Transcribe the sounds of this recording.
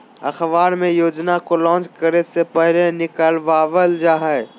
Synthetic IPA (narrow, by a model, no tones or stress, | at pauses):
ɐxʋaːɾmẽjoːd͡ʒnakolɔ̃ːt͡ʃkəɾesepəɦlenɪkəlʋaːʋəld͡ʒaːɦɛe